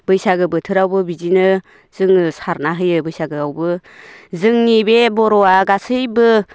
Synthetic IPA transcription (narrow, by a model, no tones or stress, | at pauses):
bɯjsaɡɯbɯtʰɯɾawbɯbizinɯ | z̥ɯŋɯsaɾnaɦɯjɯbɯjsaɡɯawbɯzɯŋnibebɔɾɔwaɡasɯjbɯ